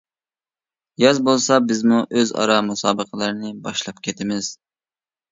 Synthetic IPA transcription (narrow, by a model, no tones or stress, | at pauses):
jɑzbolˠsɑbɪzmuʔøzɑ̰ɾɑmusɑːbəqʰəlˠɨɾɨnɪbɑʃlˠɑp̚kʲʰɛt̪ʰɪmɪz̥